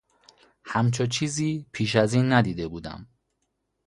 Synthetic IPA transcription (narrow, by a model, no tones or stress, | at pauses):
hæmt͡ʃʰot͡ʃʰiːziːpʰiːʃ̬æziːnːæd̪iːd̪e̞buːd̪æ̰m